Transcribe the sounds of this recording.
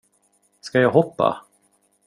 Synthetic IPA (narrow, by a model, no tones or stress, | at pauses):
skajɑːɡɦɔpːa̰